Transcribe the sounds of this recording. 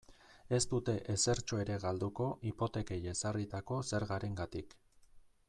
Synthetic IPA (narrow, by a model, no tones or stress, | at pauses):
e̞st̪ut̪e̞ʔese̞ɾt͡ʃo̞e̞ɾe̞ɣald̪uko̞ʔipo̞t̪e̞ke̞je̞sarit̪ako̞se̞ɾɣaɾe̞ŋɡat̪ik